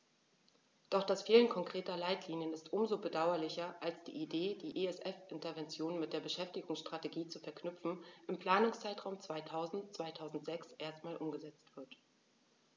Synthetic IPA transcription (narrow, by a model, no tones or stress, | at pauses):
d̥ɔχd̥asfiːlənkʰɔŋkʁ̥eːtɐlaɪtʰliːnjənɪstʔʊmzoːbədaʊɐlɪçɐʔalsd̥ḭːʔideːd̥iːʔeɛsʔɛfʔɪntɐvɛnt͡sjoːnmɪt̚d̥eːɐbəʃɛftɪɡʊŋsʃtʁ̥ateɡiːt͡sufɛɐkʰnʏp͡fn̩ʔɪmpl̥aːnʊŋst͡saɪtʁ̥aʊmt͡sv̥aɪtʰaʊzn̩tt͡sv̥aɪtʰaʊzn̩tz̥ɛksʔeːɐst̚maːlʔʊmɡəzɛt͡stv̥ɪɐt